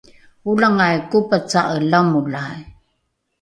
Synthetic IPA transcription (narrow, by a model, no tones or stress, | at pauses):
ulaŋajkupət͡saʔəlamulaj